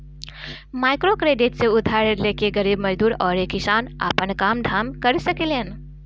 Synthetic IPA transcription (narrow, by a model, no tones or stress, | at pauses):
maːɪkɾokɾeːɖɪʈseʊd̪ʱaːɾəɾleːkeɡɐɾiːbmɐd͡ʒd̪uːɾɔːɾekɪʃaːna̰ːpənkaːmd̪ʱaːmkɐɾsɐkelen